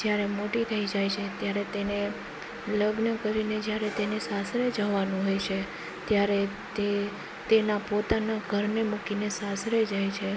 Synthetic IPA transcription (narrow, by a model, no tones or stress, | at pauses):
d͡ʒjaɾemoʈit̪ʰəid͡ʒajt͡ʃʰet̪jaɾet̪ene | ləɡnəkəɾined͡ʒjaɾet̪enesasɾed͡ʒaʋanũɦojt͡ʃʰe | t̪jaɾe | t̪e | t̪enapot̪anaɡʱəɾnemukinesasɾed͡ʒajt͡ʃʰe